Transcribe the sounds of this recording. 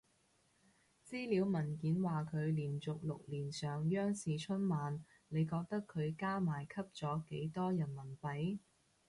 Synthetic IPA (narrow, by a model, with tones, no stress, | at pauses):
t͡siː˥liː˨˥wmɐ˨˩nkiː˨˥nwaː˨kʰɵ˨˧ɥliː˨˩nt͡sʊ˨k̚lʊ̰˨k̚liː˨˩nsœː˨ŋjœː˥ŋsiː˨t͡ʃʰɵ˥nmaː˨˧n | le˨˧jkɔː˧k̚t̪ɐ˥kʰːɵ˨˧ɥkaː˥maː˨˩jkʰɐ˥p̚t͡sɔː˨˥ke˨˥jt̪ɔː˥jɐ˨˩nmɐ˨˩npɐ˨˥j